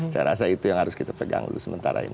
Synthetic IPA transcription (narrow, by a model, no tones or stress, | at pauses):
sajɾasait̪ujaŋhaɾʊskit̪apəɡa̰ŋulusəmənt̪aɾain